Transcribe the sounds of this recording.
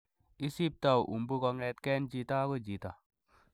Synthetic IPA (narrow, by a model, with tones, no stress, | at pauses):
i˦si˦p̚ta˦˨wʔṵ˨mbu˦kɔ˧ŋɛ˧t̚kɛ˦nd͡ʒi˧ta˦ko˦d͡ʒi˨ta˨